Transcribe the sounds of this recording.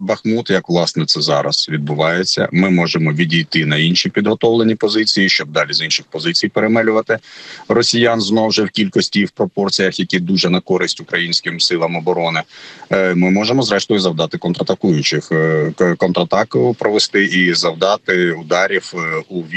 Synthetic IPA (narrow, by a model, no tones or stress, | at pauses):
bɐxmut̪jɐkʋlˠɑsnɛt̪sɛzɑɾɐ̰sʋʲid̪̚bʊʋɑjet͡sʲːɐ̰mɪmɔʒemɔʋʲidʲijt̪ɪnɐinʃipʲid̪ɾɔt̪ɔlˠenʲipɔzɪt͡sʲijiʃt͡ʃɔb̚d̪ɑlʲizinʃɪxpɔzɪt͡sʲijpeɾemɛlʲʊʋɐt̪ɪrɔsʲijɑnznɔwʒɛwkʲilʲkɔsʲtʲiwpɾɔpɔrt͡sʲijɐxjɐkʲid̪uʒɛnɐkɔɾɪsʲtʲʊkɾɐjinʲsʲkɪmsɪlˠɐmɔbɔɾɔnɪ | mɪmɔʒemɔzɾɛʃt̪ɔjʊzɐwd̪ɑt̪ɪkɔnt̪ɾɐt̪ɐkujʊt͡ʃɪxkɔnt̪ɾɐt̪ɑkpɾɔʋest̪ɪʔizɐwd̪ɑt̪ɪʊd̪ɑɾʲiwuʋʲ